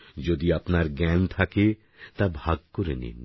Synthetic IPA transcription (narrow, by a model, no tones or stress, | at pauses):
d͡ʑod̪iapnaɾɡɛnt̪ʰake | t̪abʱaɡ̚koɾenḭn